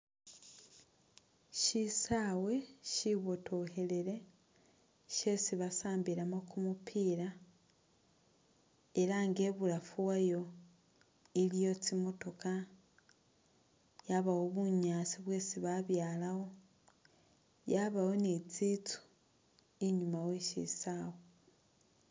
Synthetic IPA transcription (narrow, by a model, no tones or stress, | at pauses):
ʃisawe̞ʃiβo̞tʰo̞he̞leɾe̞ | ʃe̞siβasaːmbiɾamokʰumupʰiːɾa | eɾaŋɡe̞ːβuɾafuwajo̞ | ilijo̞t͡simo̞to̞ka | jaβawo̞βuɲaːt͡siβwe̞ːsiβaβjaːlaho̞ | jaβawo̞net͡sit͡su̥ | eɲumaweʃḭsaːwo